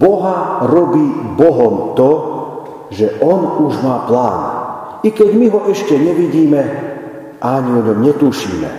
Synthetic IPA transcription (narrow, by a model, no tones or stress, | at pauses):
bɔɦaɾɔbiːbɔɦɔmt̪ɔ | ʒɛʔɔnuʒmaːplaːn | ikɛɟmiɦɔʔɛʃcɛɲɛʋiɟiːmɛ | aɲiɔɲɔmɲɛt̪uːʃḭːmɛ̰